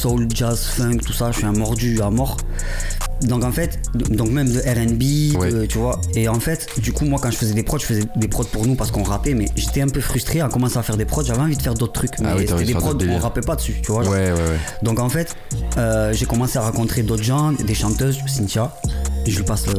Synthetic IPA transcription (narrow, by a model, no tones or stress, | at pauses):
sɔld͡ʒazfɛ̃ɡt̪u̥saʒəʃɥiɛ̃mɔʁd̪yamɔʁ | d̪ɔ̃kɑ̃fɛt̪d̪ɔ̃kmɛmd̪əʔɛʁɛnbiwdɛət̪yvwaeɑ̃fɛt̪d̪ykumwakɑ̃ʒəfəzɛd̪epχɔd̪ʒəfəzɛd̪epχɔd̪̚puʁnupaʁsəkɔ̃ʁapɛmɛʒet̪ɛɛ̃pøfχyst̪χeakɔmɑ̃seafɛʁd̪epχɔd̪ʒavɛɑ̃vid̪əfɛʁd̪ot̪χət̪χykmɛsɛd̪epχɔd̪ɔ̃ʁapɛpad̪əsyt̪yvwaʒɛɛwɛd̪ɔ̃kɑ̃fɛt̪ | øʒekɔmɑ̃seaʁɑ̃kɔ̃t̪χed̪ot̪χʒɑ̃d̪eʃɑ̃t̪øzsint̪jaʒəlipas